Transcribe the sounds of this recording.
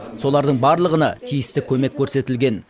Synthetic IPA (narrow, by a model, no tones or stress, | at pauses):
so̞lˠɑɾd̪əɴbɑɾlˠəʁənɑ̰t̪ʰijɪst̪ɪkʲʰɵme̞kʲʰːɵɾse̞t̪ɪlɡʲe̞n